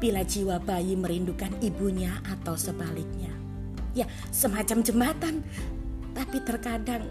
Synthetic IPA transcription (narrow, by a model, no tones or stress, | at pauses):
b̥ilad͡ʒiwabajiməɾindukanibuɲaʔat̪awsəbalɪk̚ɲa | ja | səmat͡ʃamd͡ʒəmbat̪an | t̪apit̪ərkadaŋ